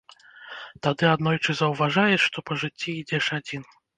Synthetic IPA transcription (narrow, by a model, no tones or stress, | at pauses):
t̪ad̪ɨad̪nɔjt͡ʂɨzɐwvaʐajɛʂʂt̪ɔpɐʐɨt͡sʲːiːd͡zʲɛʂad͡zʲin